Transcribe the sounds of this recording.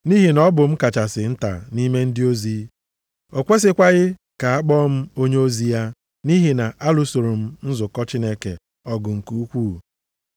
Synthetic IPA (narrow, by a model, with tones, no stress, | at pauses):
ni˦ɦi˨nɔ˦bʊ˨m̩˦ka˨t͡ʃa˨sɪ˨n̩˦ta̰˨ni˦me˦n̩˦dɪ˦o˦zi˦ | o˨kʷe˦s̬ɪ˦kʷa˦ɣɪ˦ | ka˨a˦k͡pɔ˦m̩˦o˦ɲe˦o˦zi˦ja˦ | ni˦ɦi˨na˨ʔa˦lʊ˦so˨ɾo˨m̩˦n̩˦zʊ˨kɔ˦t͡ʃɪ˦ne˦kḛ˨ | ɔ˦ɡʊ˨ŋ̩˨ku˦u˦kʷuː˦˨